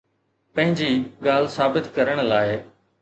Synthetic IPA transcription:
pɐ̃ɦɪ̃ɲd͡ʑiːɡaːl̤saːbɪt̪kɐɾəɽ̃laːɪ

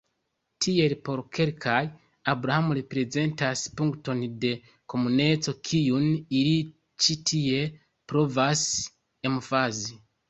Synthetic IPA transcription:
tʰie̞lpo̞ɾkʰe̞lkʰaj | abɾahamuɾepɾe̞ze̞ntaspuŋkto̞nde̞ | ko̞mune̞t͡so̞kʰijuniɾi | t͡ʃitʰije̞ | pɾo̞vas | emufazi

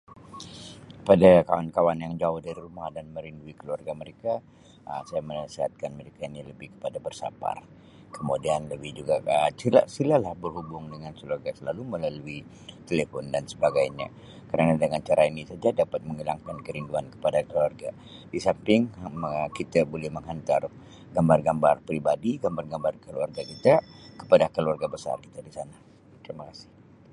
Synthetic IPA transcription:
kə̥padakawankawanjaŋd͡ʒaʊhdaɾiɾumahdanməɾinduikəluarɡaməɾeka | ə̰sajamənəsiɦat̪̚kanməɾekainiləbɪhkə̥padabərsa̰pa̰r | kəmodianləbɪhd͡ʒuɡaəsila̰silahlahbərɦubʊŋdəŋansəluarɡasəlaluməlalui | t̪elefɔndansəbaɡajɲa̰ | kəɾanadəŋant͡ʃaɾʔainisad͡ʒadapat̪̚məŋilaŋkankəɾinduankə̥padakəluarɡa̰ | disampɪŋkit̪abolɛhməŋɦant̪ar | ɡambarɡambarpɾibadiɡambarɡambarkəluarɡakit̪akə̥padakəluarɡabəsa̰rkit̪adisana | t̪ɾimakasɪ̥h

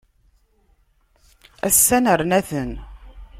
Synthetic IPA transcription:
æ̰sːænəɾnæθən

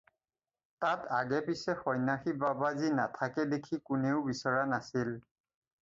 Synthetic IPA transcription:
tatʰaɡɛpisɛxɔjnaxibabazinatʰakɛdekʰikʊneʊbisɔɹanasil

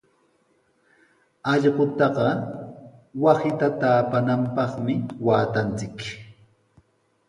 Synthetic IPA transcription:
ɑʎɢʊt̪ɑɢɑ | wasɪt̪at̪aːpanampɑχmɪwaːt̪ant͡sɪk

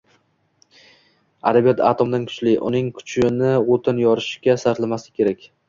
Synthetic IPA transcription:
a̰d̪abijat̪ʰa̰t̪ʰomd̪ankʰʊ̥t͡ʃlɪʔʊ̰nɪŋkʰʊ̥t͡ʃʰɪnɪot̪ʰɪnjɒɾɪʃɡʲasaɾt̪lamasɪ̥kʲʰe̞ɾakʲ

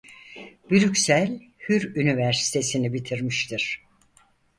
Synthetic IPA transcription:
biɾycsælʲ | hyɾynivæɾsi̥t̪ʰe̞sinibit̪ʰiɾmiʃt̪ʰiɾ̥

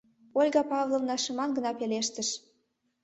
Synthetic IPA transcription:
olʲɡɑpɑvlˠovnɑʃɤ̆mɑnɡə̆nɑpeleʃt̪ə̆ʃ

